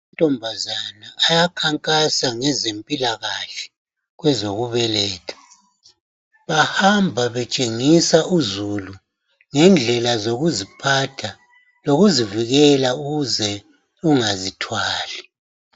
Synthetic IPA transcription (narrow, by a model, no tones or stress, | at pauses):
tʼɔmbʱazanaːjakʰaŋkʼasaŋɛzempʼilaɣaɬɛ̥ | ɣwɛzoɣuβɛlɛːtʰḁ | βahambʱaβɛt͡ʃʼeŋisaʔuzulu | ŋɛnd͡ɮʱɛlazoɣuzipʰatʰa | loɣuziviɣɛlauɣuzɛ | uŋazitʰwaːli